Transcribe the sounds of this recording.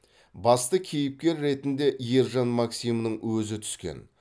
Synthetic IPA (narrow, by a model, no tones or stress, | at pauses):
bɑst̪əkʲʰe̞jɪp̚kʲe̞ɾːe̞t̪ɪnd̪e̞ʔijeɾʒɑnmɑksijmənəɴwɵzɪt̪ʰʏ̥skʲḛn